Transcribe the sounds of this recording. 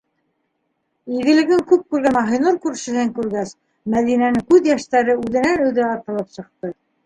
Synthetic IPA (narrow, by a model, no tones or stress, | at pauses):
iɣɘ̆lɘ̆ɡɘŋkʉp̚kʉɾɡænɑɦɤ̆jnuɾkʉɾʃɘ̆ɦɘŋkʉɾɡæs | mæðinænɘŋkʉðjæʃt̪æɾɘʉðɘ̆nænɵ̆wðɘɑɾt̪ɤ̆lˠɤpsɤ̆q̚t̪ɤ